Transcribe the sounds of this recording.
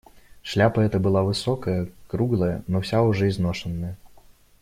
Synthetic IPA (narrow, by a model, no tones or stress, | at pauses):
ʂlʲapɐɛt̪ɐbɨlˠavɨsɔkɐjɐkɾuɡlˠɐjɐnɔsʲauʐɛiznɔʂɐnːɐjɐ